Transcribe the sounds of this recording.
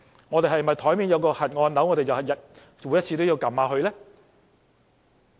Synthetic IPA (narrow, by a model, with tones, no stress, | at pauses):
ŋɔː˨˧t̪e˨jɦɐ˨jmɐ˨jt̪ʰɔː˨˥jmiː˨˧njɐ˨˧wkɔː˧hɐ˨t̚ŋɔː˧nnɐ˨˥wŋɔː˨˧ɾe˨jɐ˨whɐ˨˩t̚jɐ˨t̚ | wuː˨˧jɐ˥t̚t͡sʰiː˧t̪o˥wji˧wkɐ˨˩maː˨˧ɦɵ˧ɥlɛː˥